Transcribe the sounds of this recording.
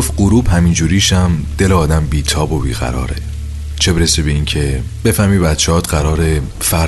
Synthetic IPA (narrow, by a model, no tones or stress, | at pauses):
of̚ɢuɾuːb̥hæmind͡ʒuːɾiːʃæmd̪̥e̞leɒːd̪æmbiːt̪ʰɒːbobiːɣæ̰ɾɒ̰ːɾe | t͡ʃʰe̞beɾesebe̞iːŋcʰe̞ | b̥e̞fæhmiːbæt̪t͡ʃʰeɒːt̪ɢæɾɒːɾe | fæ